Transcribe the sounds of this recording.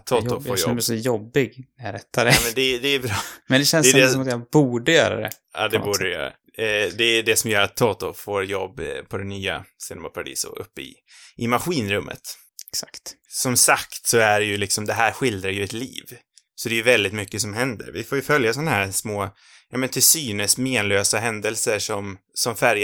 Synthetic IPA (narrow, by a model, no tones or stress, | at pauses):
oːt̪ʊfoːjɔɛsɔjɔbːɪɡɾɛt̪ːaɛmɛnd̪ɛd̪ɛːbɾɑːmɛnd̪ɛɕɛnsdɛjd̪ɛɔmat̪jabuːɖəjœ̰ːɾa̰d̪ɛ̰ | ɑ̰ːd̪ɛbuːdəɛjœ̰ːɾa̰ | d̪ɛɖ̪ɛsɔmjœːɾat̪ʰːɑːt̪ʊfoːɾjɔbːpʰɔd̪ɛnyːa̰seːd̪ma̰pʰaɾad̪ḭːsʊ̰ʔɵ̰pːəɪ̰ | ʔɪmaɧiːnɾɵmːʔə̰t̪ | ɛksakt̪sɔmsakt̪sɔæɖɛjɵlɪksɔmd̪ɛɦæːɾɧɪld̪ɾajɵɛt̪lḭːv | sɔd̪ɛjɵvɛld̪ɪt̪mʏkːəsɔmɦɛnd̪ə̰ɾvɪ̰foːɾjɵfœljasɔnahæːɾsmoː | jɑːmɛnt̪ʰɪsyːnəsmeːnløːsaɦɛnd̪əlsəʂɔmsɔmfæɾj